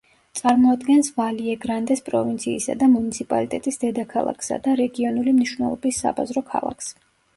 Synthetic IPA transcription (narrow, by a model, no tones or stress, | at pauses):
t̪sʼaɾmɔad̪ɡɛnsvaliɛɡɾand̪ɛspʼɾɔvint̪sʰiːsa̰d̪amunit̪sʰipʼa̰lit̪ʼɛt̪ʼisd̪ɛd̪akʰalˠa̰kʰsa̰d̪aɾɛɡiɔnulimniʃwnɛ̰lˠɔ̰bisːa̰ba̰zɾɔkʰa̰lˠa̰kʰs